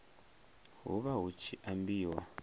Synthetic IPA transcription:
ɦṵβaɦut͡ʃʰiʔambiːwa̰

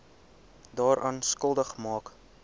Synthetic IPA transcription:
dɑːɾʔɑːnskəlˠdəχmɑːk

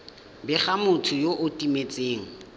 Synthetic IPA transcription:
bɪχamʊtʰʊjoʔʊtʼimet͡sʼeːŋ̩

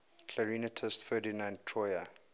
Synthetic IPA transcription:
kʰləɹinətʰəstfɜːdinãntʰɹɔjə

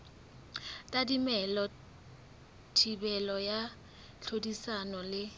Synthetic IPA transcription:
tʼadimɛlɔ | tʰibɛlɔja | ɬʰodisanɔlɪ

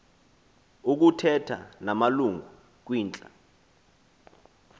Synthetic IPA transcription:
uk̬utʰɛtʰa̰namaluŋɡu | k̬wiːnt͡ɬʼa

